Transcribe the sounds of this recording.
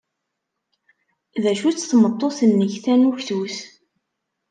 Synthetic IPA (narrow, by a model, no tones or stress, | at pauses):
ðæʃut͡sːθmət̪ˤːoθənːəçθænuçθuθ